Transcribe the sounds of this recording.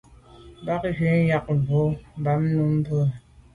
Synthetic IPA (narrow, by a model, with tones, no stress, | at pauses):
ba˦kɣe˨˦n˦ja˦k̚vo˦m˨˦ba˨˦m˦nu˦m˦bə˦˨